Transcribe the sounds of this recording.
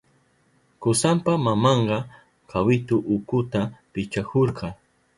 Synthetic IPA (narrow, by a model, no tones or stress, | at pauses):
kʊsampamamɑɴɢɑ | kʰawɪt̪ʊʔʊkʊt̪apɪt͡ʃakoɾqɑ